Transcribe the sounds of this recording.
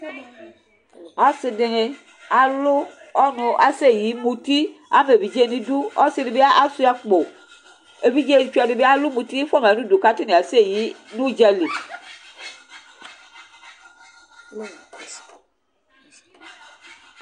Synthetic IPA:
a˦sɪ˦de˨ŋe˨ | a˨lo˦ | ɔ˦nʊ˨ʔa˨se˦˨ji˨˦mu˨ti˦a̰˦me˨vi˨d͡ʒe˦nĩ˦du˦ɔ˦sɪ˦di˨be˦a˦ʔa˦su˦a˨k͡po˨ | e˨vi˦d͡ʒe˦˨t͡ʃu˦˨a˨dɪ˨be˦a˦lu˦mu˨t̪i˦fɔ˦m˨a˨nũ˦du˨ka˦ti˦ne˨a˨se˦˨ji˨˦nũ˦d͡ʒɛ˦le˨

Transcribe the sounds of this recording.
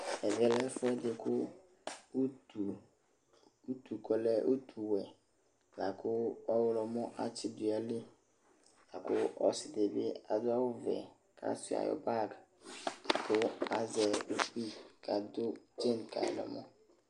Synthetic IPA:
ɛ˨vɛ˦lɛ˦fʊ˦ɛ˦dɪ˨kʰʊ˦ | u˨ | u˦t̪u˨kɔ˨lɛ˦ʔo˦t̪ʰu˨wɛ˨ | la˨kʰʊ˦ɔ˦wʊ˦lɔ˨mɔ̃˦ʔa˦t͡ʃɪ˦d̪ʊ˨a˨lɪ˦ | la˨kʊ˦ɔ˨sɪ˨de˨bɪ̰˦a˨d̪ʊ˦a˦wʊ˦vɛ̰˨ | kʰa̰˦sʊ˨a̰˨jɔ̰˨ba˦ɡ | kʊ˦a˨zɛ˨u˦k͡pi˦ka˨d̪ʊ˦d͡ʒe˦nka̰˨lɔ̰˨mɔ˦

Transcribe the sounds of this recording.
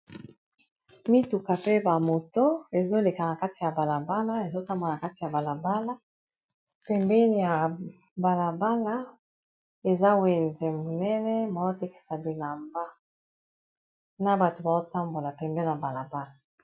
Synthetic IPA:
mi˦tu˨ka˨pe˦ba˨mo˨to˦e˨zo˦le˨ka˨na˨ka˦ti˨ja˨ba˨la˨ba˦la˦e˨zo˦ta˦mbo˨a˨na˨ka˦ti˨ja˨ba˨la˨ba˦la˦ | pɛ˨mbɛ˦ni˨ja˨ | ba˨la˨ba˦la˦ | e˨za˦we˨nzɛ˨mo˨nɛ˦nɛ˦ba˨zo˦te˦ki̥˨sa˨bi˨la˨mba˦ | na˦ba˨to˨ba˨zo˦ta˦mbo˨la˨pɛ˨mbɛ˦n˨a˨ba˨la˨ba˦la˨

